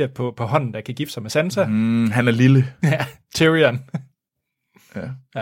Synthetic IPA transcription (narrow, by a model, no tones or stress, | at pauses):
ɐpʰɒ̽pʰɒ̽ɦɒ̽n̰n̩d̥ɑ̈kʰæɡ̥ifd̥sɑmesænsæɦænæɐliləæ | t͡sʰiʁiæn | æ